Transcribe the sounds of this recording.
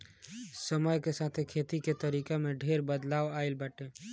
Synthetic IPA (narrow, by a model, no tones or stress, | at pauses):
səməjkesaːt̪ʰekʰeːt̪iket̪əɾiːkamẽɖʱeːɾbəd̪laːwaːɪlbaːʈẽ